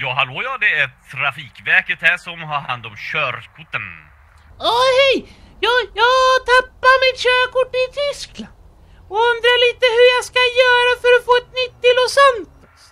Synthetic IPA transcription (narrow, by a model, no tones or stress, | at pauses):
jɑːɦaloːjɑːd̪ɛæɾafiːkvæɾkət̪hæːʂɔmɦaɾha̰nd̪ɔmɕœːɾkʰʊʈ̪ən | ɔhɛj | jɑːjɑːɡt̪ʰapːaɾmɪt̪ɕøːkʊʈːɪt̪ʰʏskla | ɔɵnd̪ɾaɭiːt̪əɦɵɾjɑskajœːɾafœɾɔfoːɛt̪nʏt̪ːɪlɔsɛnt̪